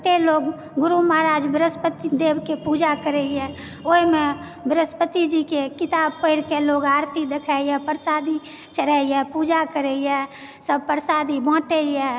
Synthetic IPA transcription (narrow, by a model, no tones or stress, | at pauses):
t̪eloɡ | ɡʊɾuməɦɾaːd͡ʒbəɾəspət̪id̪ebkepud͡ʒakəɾeijɛ | oime | bəɾəspət̪id͡ʒikekɪt̪aːb̚pəɪɾkeloɡaːɾt̪id̪ekʰaijɛpəɾsaːd̪i | t͡ʃəɾɛijɛpud͡ʒakəɾejɛ | səb̚pəɾsad̪ibɔ̃ːʈeiɛ